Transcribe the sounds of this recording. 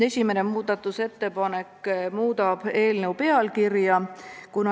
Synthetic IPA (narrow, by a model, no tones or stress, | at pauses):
e̞sʲimenemuːd̪ɑt̪ːˑuse̞t̪ːe̞pɑne̞kːmuːd̪̥ɑb̥e̞ːlnewpe̞ɑlkirjɑkunɑ